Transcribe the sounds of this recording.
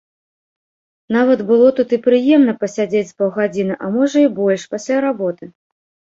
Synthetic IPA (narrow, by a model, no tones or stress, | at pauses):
navɐt̪bɨlˠɔt̪ut̪ipɾɨjɛmnɐpɐsʲad͡zʲet͡sʲspɐwɣad͡zʲinɨʔɐmɔʐɐibɔlʲʂpasʲlʲaɾabɔt̪ɨ